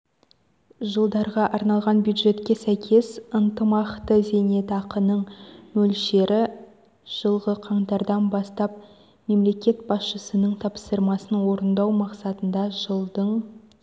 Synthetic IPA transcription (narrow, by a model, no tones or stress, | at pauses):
ʒəlˠd̪ɑɾʁɑʔɑɾnɑlˠʁɑnbjud̪ʒe̞t̪kʲe̞sæjkʲʰe̞sənt̪əmɑqt̪əze̞ne̞t̪ɑqənəɴmɵlʃe̞ɾʔɪ | ʒ̥əlˠʁəqʰɑɴt̪ɑɾd̪ɑnbɑst̪ɑp̚ | me̞mle̞kʲe̞t̪̚bɑsʃəsənəɴt̪ʰɑpsəɾmɑsənwo̞ɾənd̪ɑwmɑqsɑt̪ənd̪ɑʒəlˠd̪əɴ